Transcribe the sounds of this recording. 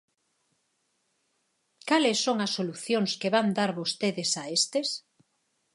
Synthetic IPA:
kalesːoŋɐsːoluθjoŋskeβand̪aɾβost̪eðesaest̪es

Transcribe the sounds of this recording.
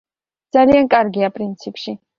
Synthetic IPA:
d̥̪z̥aliankʼaɾɡiapʼɾint̪sʰipʰʼʃi

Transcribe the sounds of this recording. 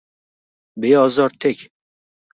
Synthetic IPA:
beɒzɒɾt̪ʰekʲ

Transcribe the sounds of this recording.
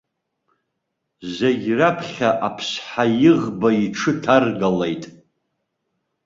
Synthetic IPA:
zaɡʲrapʰχʲaʔapʰsħajɪʁbaiʈ͡ʂʰɨtʰarɡalejtʼ

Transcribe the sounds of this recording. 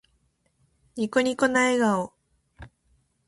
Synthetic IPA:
ɲʲikoɲʲikonaeɡao

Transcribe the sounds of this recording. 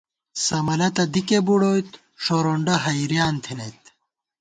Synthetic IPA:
sɐmɐlɐt̪ɐd̪ikebuɽojt̪ | ʂoɾoɳɖɐɦɐjɾjaːnt̪ʰinejt̪

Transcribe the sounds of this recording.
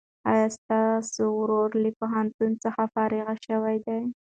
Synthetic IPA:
ɑ̰jɑst̪ɑsowɾoɾləpʊɦant̪unt͡səxafɑɾɪɣaʃəwajd̪aj

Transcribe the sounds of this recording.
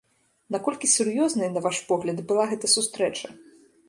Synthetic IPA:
nɐkɔlʲkʲisʲurjɔznɐjnɐvaʂpɔɣlʲɐd̪bɨlˠaɣɛt̪ɐsust̪ɾɛt͡ʂɐ

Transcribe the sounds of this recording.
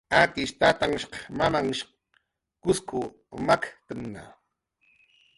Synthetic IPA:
ak̪ɪʃt̪at̪aŋʃqɑmamaŋʃq | kʊskʊ | makt̪əŋna̰

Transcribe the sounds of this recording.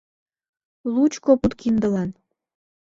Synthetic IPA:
lut͡ɕkoput̪kind̪əlɑn

